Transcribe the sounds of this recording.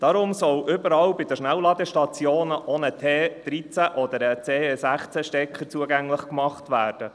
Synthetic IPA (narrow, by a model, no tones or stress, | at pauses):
d̥ɑɾʊmsɔwʔʏbəɾɑwbɪd̥̪əʃnæwlɑd̪əʃtɑt͡sjoːnəʔɔnətʰeːd̥ɾit͡sæʔɔd̪əɾət͡seːesæχt͡sæʃtɛkχəɾt͡suəɡæŋləχkmɑχtvæːrd̥ə